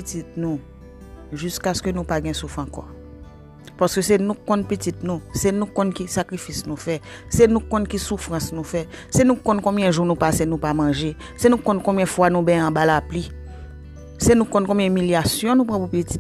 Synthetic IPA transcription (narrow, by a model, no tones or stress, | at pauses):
itit̪̚nũ | ʒyskaskønũpaɡɛ̃sufãkɔ̰ | paskøsenũkɔ̃npitit̪nũsenũkɔ̃nkisakʁifisnũfɛsenũkɔ̃nkisufɣɐ̃snũfɛ | senũkɔ̃nkɔ̃bjɛ̃ʒunũpasenũpamãʒe | senũkɔ̃nkɔ̃mjɛ̃fwanũbɛ̃ãbalapli | senũkɔ̃nkɔ̃mbjɛ̃miljasjɔ̃nũp̬ɣãpupiti̥t